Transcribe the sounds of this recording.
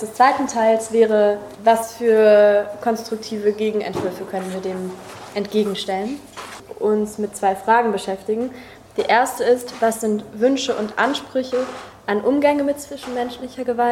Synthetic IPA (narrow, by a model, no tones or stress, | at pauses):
d̥ɛst͡sv̥aɪtn̩tʰaɪlsv̥ɛːʁ̞ə | vasfyːɐkʰɔnstʁ̥ʊk̚tʰiːvəɡeːɡŋ̩ɛ̰ntv̥ʏɐfəkʰœnənviːɐdeːmʔɛntɡ̥eːɡŋ̩ʃtɛlən | ʔʊnsmɪt̚t͡sv̥aɪfʁ̥aːɡŋ̩bəʃɛftɪɡŋ̩ | d̥iːʔeːɐstəɪstv̥asz̥ɪntv̥ʏnʃəʔʊntʔa̰nʃpʁ̥ʏçəʔanʔʊmɡɛŋəmɪtt͡sv̥ɪʃn̩mɛnʃlɪçɐɡəval